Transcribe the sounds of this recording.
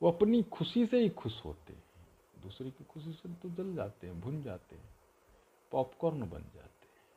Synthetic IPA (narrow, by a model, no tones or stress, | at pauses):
ʋoɐpnikʰʊsiseɦikʰʊʃɦo̰ːt̪ḛɦɛ̃ | d̪uːsɾekikʰʊsiset̪od͡ʒɐld͡ʒaːt̪eɦɛ̃bʱʊnd͡ʒaːt̪ḛɦɛ̃ː | pɔːpkɔːɾnbɐ̰nd͡ʒa̰ːt̪eɦɛ̃